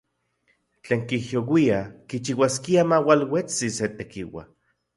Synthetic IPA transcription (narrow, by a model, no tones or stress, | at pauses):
t͡ɬeːŋkihjowiakit͡ʃiwaskiamawalwet͡siset̪ekiwa̰